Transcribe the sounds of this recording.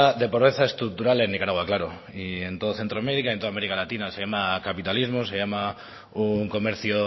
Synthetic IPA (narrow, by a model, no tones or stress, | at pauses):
ðepoɾβeθae̞st̪ɾuk̚t̪uɾalenːikaɾaɣ̞waklaɾo | ie̞nt̪oð̞oθe̞nt̪ɾoameɾikaienoameɾikalat̪inasejamakapit̪alizmosejama | uŋko̞me̞ɾθjo